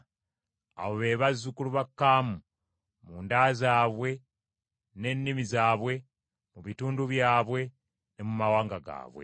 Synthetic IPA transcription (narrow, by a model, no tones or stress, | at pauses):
a̰woβe̞ːβazːukuluβakːaːmu | muːndaːzaːβwe̞ | ne̞nːimizaːβwe̞ | muβituːnduβjaːβwe̞ | ne̞mumawaːŋɡaɡa̰ːβwḛ